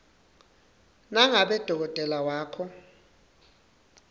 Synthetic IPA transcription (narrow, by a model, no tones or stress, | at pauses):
naŋaɓɛd̥ʱɔk̬ɔtʼɛlawaːkʰɔ